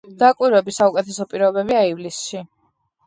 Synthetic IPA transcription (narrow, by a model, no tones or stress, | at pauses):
d̪̥akʼwiɾɛbisaukʼɛt̪ʰɛsɔpʼiɾɔbɛbiaivlisʃi